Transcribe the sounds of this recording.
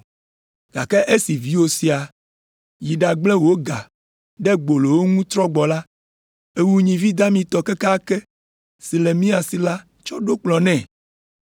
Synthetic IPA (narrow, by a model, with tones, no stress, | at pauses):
ɡ̥a̰˨kɛ˦ʔe˦si˨vi˦wo˦si˨a˨ | ji˨ɖa˨ɡ͡blɛ˦wo˦ɡa̰˨ | ɖɛ˦ɡ͡bo˨lo˨wo˦ŋũ˦t̪ɾɔ˦ɡ͡bɔ˨la˦ | e˦wu˦ɲĩ˨vi˦d̪a˦mĩ˨t̪ɔ˨kɛ˦ka˦kɛ˦ | si˨lɛ˨mĩ˦a˨si˨la˦ | t͡ʃɔ˦ɖo˦k͡plɔ˨nɛ̃˦˨